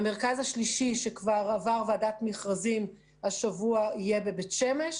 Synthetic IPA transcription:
meʁkazhaʃliʃiʃe̞kvaʁavaʁveadatmiχʁazim | haʃavuaijebe̞betʃe̞me̞ʃ

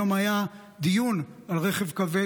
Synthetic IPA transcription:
omaja | d̪ijunalʁeχevkave

